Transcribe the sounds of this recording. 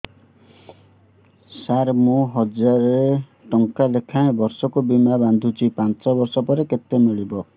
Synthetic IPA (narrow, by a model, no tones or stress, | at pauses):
saɾmũɦɔd͡ʒaɾe | ʈɔŋkalekʰãẽbɔɾsɔkubimaband̪ʱut͡ʃipant͡ʃɔbɔɾsɔpɔɾeket̪emiɭibɔ